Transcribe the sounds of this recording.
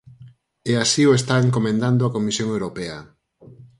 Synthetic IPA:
ɛasioest̪aeŋkomẽnd̪and̪oakomisjoŋewɾopɛɐ

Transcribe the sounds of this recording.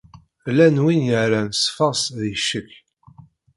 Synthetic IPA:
lænwinjəɾænsfɑsðiʃəkː

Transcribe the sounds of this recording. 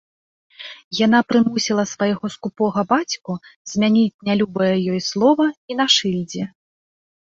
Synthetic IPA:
jan̪apɾɨmusʲilˠɐsvajɣɔskupɔɣɐbat͡sʲkuz̥ʲmʲanʲit͡sʲnʲalʲubɐjɐjɔjslˠɔvɐinaʂɨlʲd͡zʲɛ

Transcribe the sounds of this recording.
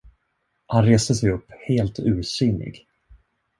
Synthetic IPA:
hanɾeːst̪əsɛjɵpːheːlt̪ʉ̟ːɾsʏnːɪ̰ɡ

